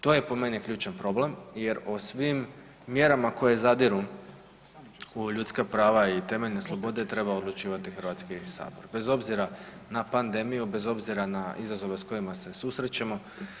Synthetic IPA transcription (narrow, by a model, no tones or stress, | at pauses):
t̪o̞je̞po̞me̞nikʎʲuːt͡ʃanpɾo̞ble̞mje̞ɾosʋimː | je̞ɾamako̞je̞zad̪iɾu | uʎut̪skapɾaːʋait̪e̞meʎne̞slˠo̞bo̞d̪e̞t̪ɾe̞baod̪lˠut͡ʃiːʋat̪ixr̩ʋat̪skisa̰ːboɾbe̞zo̞bziɾanapand̪e̞mijube̞zo̞bziɾanaizazo̞ʋe̞sko̞jimase̞susɾet͡ɕemo̞